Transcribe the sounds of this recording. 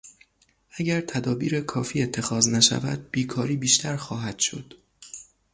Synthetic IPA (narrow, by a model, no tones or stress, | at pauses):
ʔæɟæɾt̪ʰæd̪ɒːbiːɾekʰɒːfiːe̞t̪ʰːe̞xɒːznæʃæ̰væ̰d̪̚b̥iːkʰɒːɾiːbiːʃt̪ʰæɾxɒːɦæd̪̥ʃo̞̰d̪̥